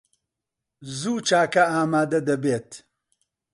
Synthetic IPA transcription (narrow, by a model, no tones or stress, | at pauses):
zuːt͡ʃʰaːkɐaːmaːd̪ɐd̪ɐbeːt̪